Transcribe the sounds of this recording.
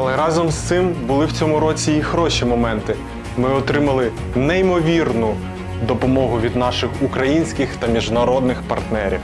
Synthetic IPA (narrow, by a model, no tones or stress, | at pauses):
ɐlˠɛɾɑzɔmst̪sɪmbʊlˠɪwt͡sʲɔmʊɾɔt͡sʲiːxɾɔʃʲimɔmɛnt̪ɪ | mɪɔt̪ɾɪmɐlˠɪ | nɛimɔʋʲirnʊ | d̪ɔpɔmɔɦʊʋʲid̪nɑʃɪxukɾɐjinʲsʲkɪxt̪ɐmʲiʒnɐɾɔd̪nɪxpɐ̰rt̪nɛɾʲḭw